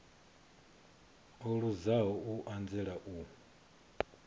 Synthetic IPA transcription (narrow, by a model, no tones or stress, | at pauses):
ɔɺuzaɦɔuʔand͡zɛɺaʔu